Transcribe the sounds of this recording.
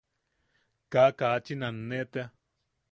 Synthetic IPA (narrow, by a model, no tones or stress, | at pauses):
kakat͡ʃinanːeʔt̪ea